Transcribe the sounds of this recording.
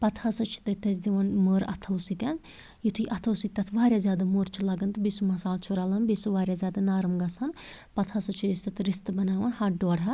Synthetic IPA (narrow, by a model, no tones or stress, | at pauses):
pɐt̪ʰhɐsɐt͡ʃʰi̥t̪ɐt̪ɐzʲd̪iʋɐnməːɾɐ̰t̪ʰɐwsit̪ʲan | jit̪ʰuiʔɐt̪ʰɐwsit̪ʲːɐt̪ʰʋaːɾʲjaːzʲjaːd̪amuːɾt͡ʃʰilɐɡɐnt̪ɨbisumɐsaːlt͡ʃʰuɾaːlɐnbisuʋaːɾʲjaːzʲjaːd̪ɐnaːɾɐmɡɐsanpɐt̪ʰɐsɐt͡ʃʰujɐst̪ɐt̪ɾist̪ɨbɐnaːʋɐnhɐɖoːɽɦɐ